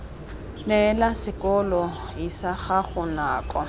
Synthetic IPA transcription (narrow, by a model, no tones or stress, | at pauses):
nɛlasɪkʼɔlɔ | isaχaχʊnaːkʼɔ̰